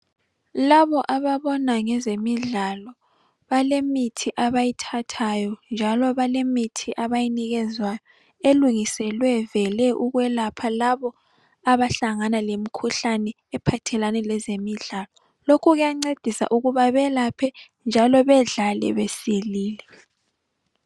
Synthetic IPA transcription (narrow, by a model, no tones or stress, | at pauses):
laβɔʔaβaβɔnaŋɛzemiɮalɔ | βalemitʰiʔaβajitʰatʰajɔnd͡ʒʱalɔβalemitʰiʔaβajiniɣɛzwajɔ | eluŋisɛlwɛvɛlɛʔuɣwɛlapʰalaβɔ | aβaɬaŋanalemikʰuɬanɛ | ɛpʰatʰɛlanɛlɛzemiɮalɔ | lokʰuɣujaŋ͡ǀed̥ʱisa̰ʔuɣuβaβɛlapʰɛ | nd͡ʒʱalɔβɛɮalɛ̰βesiliːlɛ